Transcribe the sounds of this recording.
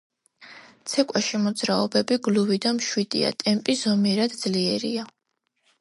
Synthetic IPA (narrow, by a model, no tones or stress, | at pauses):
t̪sʰɛkʼwaʃimɔd̪zɾaɔbɛbiɡluvid̪amʃwid̪̥ḭa̰t̪ʼɛmpʼizɔmiɛɾad̪d̪zliɛɾḭa